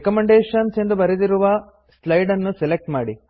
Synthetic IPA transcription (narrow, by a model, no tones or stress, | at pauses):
kɐmeɳɖeːʂɐnse̞nd̪ubɐɾed̪iɾuʋɐ | slɐjɖɐnːuselek̚ʈmaːɽi